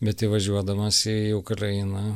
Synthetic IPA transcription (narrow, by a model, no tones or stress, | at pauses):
bʲɛt̪ɪʋɐʒʲuɔd̪ɐmɐsʲɪiʊkɾɐɪnɐ